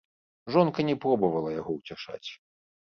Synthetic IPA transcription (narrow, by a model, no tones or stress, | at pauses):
ʐɔnkɐnʲɛpɾɔbɐvɐlˠɐjaɣɔwt͡sʲaʂa̰t͡sʲ